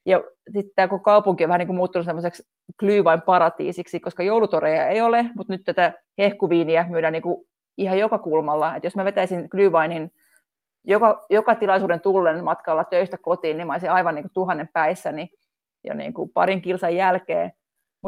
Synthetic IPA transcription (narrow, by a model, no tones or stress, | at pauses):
jɑsit̪t̪æːkokokɑupuŋkioʋæniːŋkumuːt̪ːunusemːoseks | klyːʋɑimpɑɾɑt̪ḭːsiksikoskɑjoulut̪orejɑeiolemut̪nyt̪t̪æt̪æ | hehkuʋiːniæmyːdæniːŋku | ihɑjokɑkulmɑlːɑet̪josmæʋet̪æisinklyːʋɑinin | jokɑjokɑt̪ilɑisuːdɾent̪ulːenmɑt̪kɑlːɑt̪øist̪ækot̪iːnnimɑisiɑiʋɑniːŋkut̪uhɑnːempæisːæni | jɑ̰nḭːŋkupɑ̰ɾiŋkilsɑjjælkḛː | mut̪